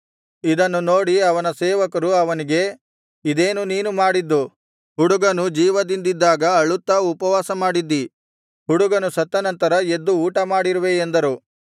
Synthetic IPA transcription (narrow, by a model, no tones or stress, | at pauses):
id̪ɐnːuno̞ːɽiɐʋɐnɐseːʋɐkɐɾuɐʋɐniɡe̞ | id̪eːnuniːnumaːɽid̪ːu | ɦuɽuɡɐnud͡ʒiːʋɐd̪ind̪id̪ːaːɡɐɐɭut̪ːɐupɐʋaːsɐmaːɽid̪ːi | ɦhuɽuɡɐnusɐt̪ːɐnɐnt̪ɐɾɐe̞d̪ːuːʈɐmaːɽiɾuʋeːnd̪ɐɾu